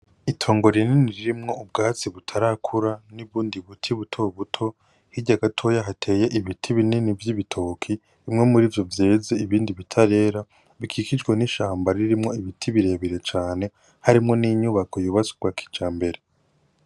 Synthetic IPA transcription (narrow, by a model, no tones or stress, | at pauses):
itʰo̞ːŋɡo̞ɾininiɾiɾimŋo̞ub̚ɡaːt͡siβutʰaɾakʰuɾaniβuːndiβutʰiβutʰo̞βutʰo̞ | hiɟaɡatʰo̞ːjaɦatʰe̞je̞ʔiβitʰiβininivjiβitʰo̞ːkʰiː | mŋe̞muɾiːvjo̞vje̞ːze̞iβiːndiβitʰaɾe̞ːɾa | βikʰikid͡ʒɡweniʃaːmbaɾiɾimŋo̞iβitʰiβiɾe̞ːβiɾe̞t͡ʃaːne̞ | haɾimŋo̞niɲuβakʰojuːβat͡soɡwaːkʰi̥t͡ʃaːmbe̞ɾe̞